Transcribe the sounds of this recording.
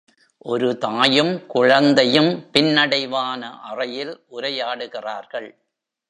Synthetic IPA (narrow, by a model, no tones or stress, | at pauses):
ʔɔɾɯt̪aːjɯmkʊɻɐnd̪ɐjɯmpɪnːɐɽɐɪʋaːnɐʔɐrɐjɪlʔʊɾɐjaːɽɯɣɪraːɾɣɐɭ